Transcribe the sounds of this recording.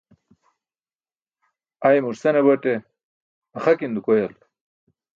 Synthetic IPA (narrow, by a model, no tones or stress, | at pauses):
ajmuɾsɐnebɐʈe | ɐχakind̪ukojɐl